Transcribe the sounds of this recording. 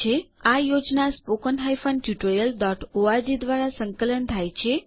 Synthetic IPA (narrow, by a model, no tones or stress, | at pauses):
eajod͡ʒnaspokənɦajfənʈjuʈəɾijəlɖɔʈoad͡ʒid̪ʋaɾasəŋkələnt̪ʰajt͡ʃʰe